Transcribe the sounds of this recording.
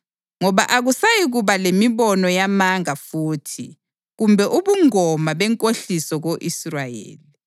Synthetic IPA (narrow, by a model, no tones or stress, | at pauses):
ŋɔβaʔaɣusajiɣuβalemiβɔnɔjamaŋafuːtʰi | ɣumbʱɛʔuβuŋɔmaβɛŋkʼoɬisɔɣoʔisrajḛːli